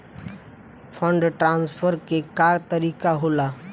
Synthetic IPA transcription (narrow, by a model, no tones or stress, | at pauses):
pʰəɳɖʈɾãnspʰəɾkekat̪əɾikaɦola